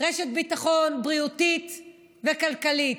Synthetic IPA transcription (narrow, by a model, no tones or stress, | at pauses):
ʁeʃet̪̚bit̪aχo̞nbʁiut̪it̪ | vekalkalit